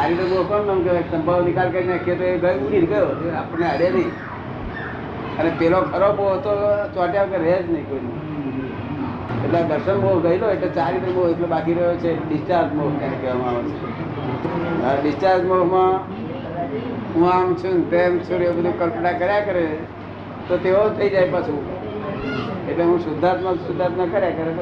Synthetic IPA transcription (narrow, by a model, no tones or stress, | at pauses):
t͡ʃaɾiɖəɾmoɦkonːəũk̪eeksəmbʱəʋnikalkəɾinakʰiet̪oeɡəjuʈiɾɡəjot̪eaːpəɳneəɽenəĩ | ənepelokʰəɾobot̪ot͡ʃaʈjãkeɾed͡ʒnəɦĩkoin | eʈlad̪əɾʃənboɡəiloeʈlet͡ʃaːɾiɖəɾmoeʈlobakiɾəjot͡ʃʰeɖɪst͡ʃaɾd͡ʒmoɡkaekeʋamaaʋət͡ʃʰe | əɖɪst͡ʃaɾd͡ʒmoɡmã | ɦũamt͡ʃʰunt̪emt͡ʃʰuɾeubəd̪ʱukəlpʈakəɾjakəɾee | t̪ot̪eot̪ʰəid͡ʒajpət͡ʃʰũ | eʈleɦũsʊd̪ʱːat̪mãsʊd̪ʱːat̪mãkəɾjakəɾe